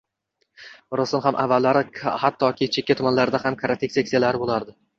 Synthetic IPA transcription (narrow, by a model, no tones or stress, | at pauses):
ɾʊsɪnhamʔa̰vːalːaɾɪhat̪ʰːɒkʲʰɪt͡ʃʰekʲːat̪ʰʊmanlaɾɪd̪ahamkʰaɾat̪ʰekʲsekʲsijalaɾɪbolaɾd̪ɪ